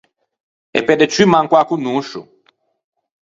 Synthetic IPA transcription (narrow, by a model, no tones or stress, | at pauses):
ḛped̪et͡ʃimãŋkwakunuʃṵ